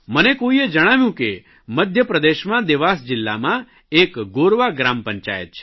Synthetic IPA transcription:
mənekoied͡ʒəɽ̃aʋjũke | məd̪ʱjəpɾəd̪eʃmãd̪eʋasd͡ʒɪlːa̰mã | ekɡoɾʋaɡɾampəɲt͡ʃa̰jə̰t̪̚t͡ʃʰe̥

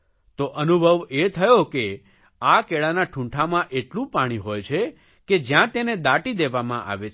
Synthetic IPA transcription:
t̪oʔənubʱəʋet̪ʰəjoke | akeɭanaʈʰũɳʈʰamãʔeʈlũpaɽ̃iɦojt͡ʃʰe | ked͡ʒjãt̪ened̪aʈid̪eʋamã̰ʔa̰ʋet͡ʃʰ

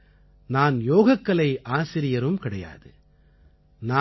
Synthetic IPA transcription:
naːnjoːɣɐkːɐɭɐɪʔaːsɪɾɪjɐɾɯmkɪɽɐja̰ːðɯ | na

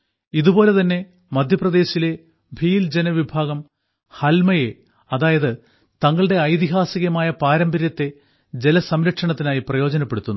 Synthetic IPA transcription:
iðubo̞ːle̞t̪ɐnːe̞ | mɐd̪ʱjɐprɐðe̞ːɕile̞ | bʱiːld͡ʑenɐʋibʱaːɣɐm | hɐlmɐje̞ | ɐðaːjɐðɨ | t̪ɐŋːɐɭɨɽe̞ɐjt̪iɦaːsiɣɐmaːjɐpaːɾɐmbɐɾjɐt̪ːe̞ | d͡ʑe̞lɐsɐmɾɐʈʂɐɳɐt̪ːinaːjiprɐjo̞ːd͡ʑɐnɐpːe̞ɽut̪ːunː

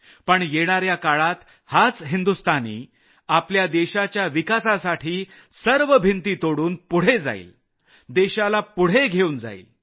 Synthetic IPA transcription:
pəɳjeɽ̃aɾjakaɭat̪ | hat͡sɦind̪ust̪anḭː | apljad̪eɕat͡ɕjaʋikasasaʈʰiː | səɾʋəbʱint̪iːt̪oɽuːnpuɽ̤ed͡za̰ḭl | d̪eɕalapuɽ̤eɡʱeuːnd͡za̰ḭl

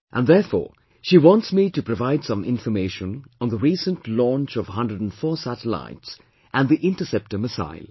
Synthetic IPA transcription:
ʔæ̃nðɛfɔ̰ː | ʃiːwɔ̃ntsmitupɾovaɪd̥sʌ̃mɪ̰̃nfəmeɪʃə̃nə̃nðəɾiːsə̃ntlɔ̃nt͡ʃɔv̥ɦʌ̃ndɾəɖə̃nfɔːsætəla̰ɪts | ʔæ̃nd̪iʔɪ̃nʈəsɛp̚ʈəməsa̰ɪl

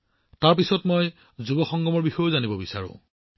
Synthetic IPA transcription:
taɹpisɔtmɔj | zubɔxɔŋɡɔmɔɹbixɔjʊzanibɔbisa̰ɹʊ̰̃

